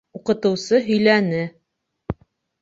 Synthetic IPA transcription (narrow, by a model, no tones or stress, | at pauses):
uqɤ̆t̪ɤ̆wsɤɦɵ̆jlænɘ